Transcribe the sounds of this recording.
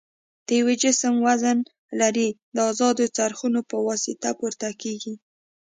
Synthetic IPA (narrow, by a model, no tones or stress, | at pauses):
d̪̥əjawed͡ʒɪsəmwazən | laɾid̪əɑzɑd̪ot͡saɾxunopəwɑsɪt̪apuɾt̪akeɡi